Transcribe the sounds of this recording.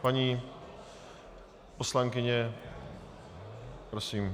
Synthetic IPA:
paɲi | poslaŋkɪɲɛ | pɾosiːm

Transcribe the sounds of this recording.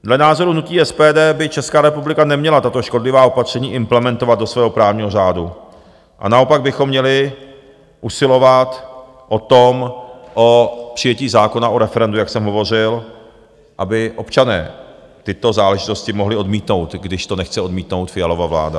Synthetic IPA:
dlɛnaːzo̞ɾunuciːɛspɛːdɛːbɪt͡ʃɛskaːɾɛpublɪkanɛmɲɛlat̪at̪oʃko̞dlɪvaːo̞pat̪r̝̥ɛɲiːʔɪmplɛmɛnt̪o̞vad̪do̞svɛːɦo̞pɾaːvɲiːɦo̞raːdu | ʔa̰nao̞paɡ̚bɪxo̞mːɲɛlɪ | ʔusɪlo̞vat̪ | ʔo̞t̪omʔopr̝̥ɪjɛciːzaːko̞naʔoɾɛfɛɾɛndujaksɛmɦo̞vo̞r̝ɪl | ʔabɪʔo̞pt͡ʃanɛ̰ː | t̪ɪt̪o̞zaːlɛʒɪt̪o̞scɪmoɦlɪo̞dmiːt̪no̞wt̪ɡdɪʃt̪o̞nɛxt͡sɛo̞dmiːt̪no̞wt̪fɪjalo̞vavla̰ːda

